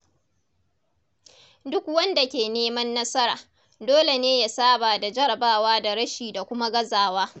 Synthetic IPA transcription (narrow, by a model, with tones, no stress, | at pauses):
dʊ˦k̚wɐ˦nda˨kʲeː˨neː˦mɐ˦nːɐ˦sɐ˦ɾaː˨ | doː˦le˨neː˦ja˦saː˦baː˨da˨d͡ʒɐ˦ɾɐ˨baː˦waː˦da˨ɽɐ˦ʃiː˨da˨kʷʊ˦ma˦ɡɐ˦zaː˨waː˦